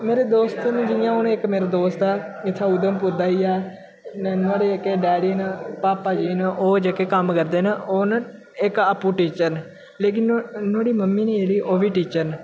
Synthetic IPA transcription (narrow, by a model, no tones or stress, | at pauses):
meːɾeːd̪oːst̪nd͡ʒɪjãːɦʊnɪkmeːɾad̪oːst̪ɛːɪt̪ʰːaːʊd̪əmpʊɾd̪aːiːɛː | nãːɽeːekːeːɖɛːɽiːnpaːpːaːd͡ʒiːnʔoːd͡ʒəkeːkəmkəɾd̪eːnoːn | ɪkəpːuːʈiːt͡ʃəɾn | leːk̬ɪnnãːɽiːməmːiːniːeːliːʔoːʋiːʈiːt͡ʃəɾn